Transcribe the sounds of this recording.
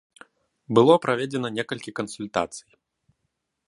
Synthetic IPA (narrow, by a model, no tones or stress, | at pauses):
bɨlˠɔpɾavʲed͡zʲɛnɐnʲɛkɐlʲkʲikɐnsulʲt̪a̰t̪sɨj